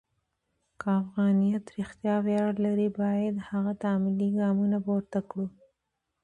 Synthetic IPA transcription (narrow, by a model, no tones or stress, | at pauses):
kəafɣɑnijat̪ɾɪxt̪jɑwjɑɽlaɾibɑjad̪haɣat̪amɪliɡɑmunapoɾt̪akɽu